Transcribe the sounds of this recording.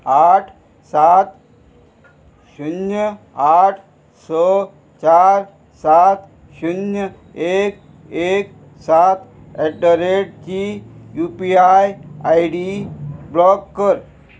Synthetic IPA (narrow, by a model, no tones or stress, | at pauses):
aʈʰ | sat̪ | ɕunjə | aʈʰ | sə | t͡ɕaɾ | sat̪ | ɕunjə | ek | ek | sat̪ | ɛʈəɾeʈ̚t͡ɕijupiajajɖiblɔkːəɾ